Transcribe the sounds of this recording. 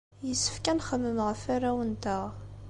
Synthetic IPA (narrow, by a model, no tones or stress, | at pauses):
jəsːə̥fkænχəmːəməʁəfaræwənt̪əʁ